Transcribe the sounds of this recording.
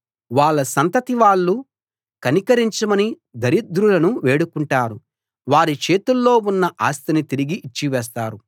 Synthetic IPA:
ʋaːɭːɐsɐnt̪ɐt̪iʋaːɭːu | kɐnikɐɾiɲt͡ʃɐmɐni | d̪ʱɐɾid̪ɾulɐnuʋe̞ːɽukuɳʈaːɾu | ʋaːɾit͡ʃe̞ːt̪ulːo̞ːunːɐʔaːst̪ɐnit̪iɾiɡiʔːt͡ʃːiʋɛːs̬t̪aːɾu

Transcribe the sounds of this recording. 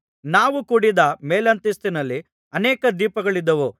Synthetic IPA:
naːʋukuːɽid̪ɐmeːlɐnt̪ist̪inɐlːi | ɐnɛːkɐd̪iːpɐɡɐɭid̪ːɐʋu

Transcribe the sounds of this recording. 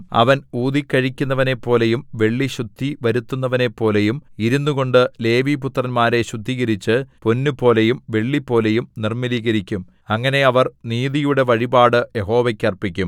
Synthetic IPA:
ɐ̰ʋɐnuːðikʲːɐɻikʲːunːɐʋɐne̞pːo̞ːle̞jumʋe̞ɭːiɕud̪ʱːiʋɐɾut̪ːunːɐʋɐne̞pːo̞ːle̞jumiɾunːuɣo̞ɳɖɨle̞ːʋiput̪rɐnmaːɾe̞ɕud̪ʱːiːɣɐɾit͡ɕːɨponːupo̞ːle̞jumʋe̞ɭːipːo̞ːle̞jumnirmiliːɣɐɾikʲːum | ɐŋːɐne̞ɐʋɐrniːðijuɽe̞ʋɐɻibaːɽɨje̞ɦo̞ːʋɐkʲːɐrpːikʲːum

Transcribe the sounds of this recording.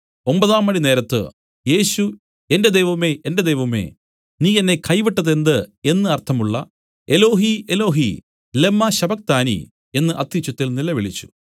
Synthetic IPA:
o̞mbɐðaːmːɐɳineːɾɐt̪ːɨ̰ | je̞ːɕu | e̞nde̞d̪ejʋɐmeʔende̞d̪ejʋɐme̞̰ | niːenːe̞kʰɐjʋiʈːɐðe̞nd̪ɨe̞nːɨɐrt̪ʰːɐmuɭːɐ̰ | e̞lo̞ːɦielo̞ːɦḭ | lemːɐɕɐbɐk̚t̪aːnḭ | e̞nːɨʔɐt̪ːit͡ɕːut̪ːilnilɐʋiɭit͡ɕːu̥

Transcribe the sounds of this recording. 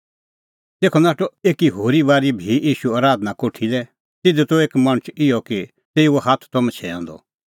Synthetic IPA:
t̪eːkʰɔnaːʈɔeːkiɦoːɾibaːɾibʱijiːʃuaːɾaːd̪nakoːʈʰilɛ | t̪ɪd̪ut̪oeːkmɐ̃ɽ̃ʊt͡ʃɪjɔki | t̪eːioɦaːt̪ʰt̪ɔmɛ̃t͡ʃʰɛã̰ːnd̪ɔ̰

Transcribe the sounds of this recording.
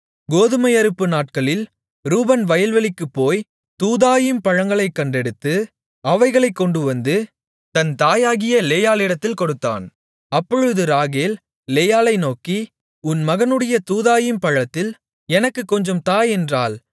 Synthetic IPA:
ɡoːðɯmɐjɐɾɯpːɯnaːʈ̚kɐɭɪl | ɾuːbɐnʋɐjɐlʋɐɭɪkːɯpːoːj | t̪uːðaːjɪmpɐɻɐŋɡɐɭɐɪkːɐɳɖɛɽɯt̪ːɯ | ɐʋɐɪɣɐɭɐɪkːɔɳɖɯʋɐnd̪ɯ | t̪ɐnt̪aːjaːɣɪjɐleːjaːlɪɽɐt̪ːɪlkɔɽɯt̪ːa̰ːn | ɐpːɔɻɯðɯɾaːɣeːl | leːjaːlɐɪnoːki | ʊnmɐɣɐnɯɽɐjɐt̪uːðaːjɪmpɐɻɐt̪ːɪl | ɛnɐkːɯkːɔɲd͡ʒɐmt̪aːjɛndra̰ːl

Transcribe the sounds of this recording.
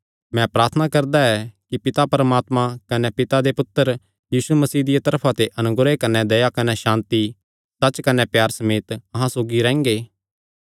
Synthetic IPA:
mɛ̃pɾaːɾt̪ʰənakɐɾd̪aɛkipɪt̪apɐɾəmaːt̪mãkɐnepɪt̪ad̪epʊt̪ːəɾ | jiːsumɐsiːd̪ɪjat̪ɐɾpʰãt̪eʔɐnʊɡɾekɐnɛd̪ɐjakɐnɛʃãːnt̪i | sɐt͡ʃkɐnepjaːɾsɐmeːt̪ɐɦãsoːɡiɾɛ̃ːŋɡeː

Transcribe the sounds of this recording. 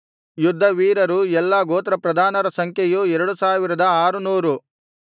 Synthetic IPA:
jud̪ʱːɐʋiːɾɐɾuɛlːɐɡoːt̪ɾɐpɾɐd̪ʱaːnɐɾɐsɐŋkʰjejuɛɾɐɽusaːʋiɾɐd̪ɐaːɾunuːɾu

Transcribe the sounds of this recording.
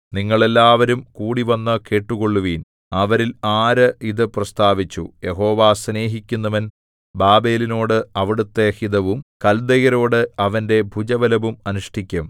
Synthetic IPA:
niŋːɐɭe̞lːaːʋɐɾumkuːɽiʋɐnːɐke̞ːʈːuɣo̞ɭːuʋiːn | ɐʋɐɾilaːɾɨiðɨprɐst̪aːʋit͡ɕːṵje̞ɦo̞ːʋaːsne̞ːɦikʲːunːɐʋɐn | baːbe̞ːlino̞ːɽɨɐʋiɽut̪ːe̞hiðɐʋumkɐld̪ɐɣɐɾo̞ːɽɨɐʋɐnde̞bʱud͡ʑɐʋɐlɐʋumɐnuʂʈikʲːɐm

